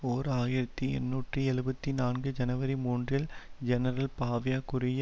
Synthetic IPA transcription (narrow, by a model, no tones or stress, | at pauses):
oːɾɯaːjɪɾɐt̪ːiɛ̰nːuːʈriɛɻɯbɐt̪ːinaːnɡɯd͡ʒɐnɐʋɐɾimuːndrɪld͡ʒɛnɐɾɐlpaːʋɪjaːkʊɾɪjɐ